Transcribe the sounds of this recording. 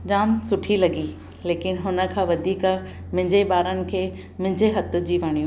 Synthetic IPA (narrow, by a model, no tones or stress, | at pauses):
d͡ʑaːmsʊʈʰilɐɡi | leːkɪnɦʊnə̆kʰãːʋɐd̪ʱiːk | mɪ̃ɦɪ̃ɲd͡ʑebaːɾənɪ̆kʰeː | mɪ̃ɦɪ̃ɲd͡ʑeɦɐt̪̆d͡ʑiːʋaɽ̃ijũ